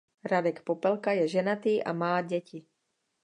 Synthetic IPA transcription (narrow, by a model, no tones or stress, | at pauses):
ɾadɛkpopɛlkajɛʒɛnat̪iːʔa̰maːɟɛci